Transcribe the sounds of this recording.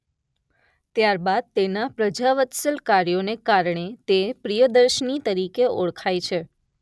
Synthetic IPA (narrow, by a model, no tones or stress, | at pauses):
t̪jaɾbad̪̚t̪enapɾəd͡ʒaʋət̪səlkaɾjonekaɾɳet̪epɾijəd̪əɾʃənit̪əɾikeo̰ɭkʰajt͡ʃʰe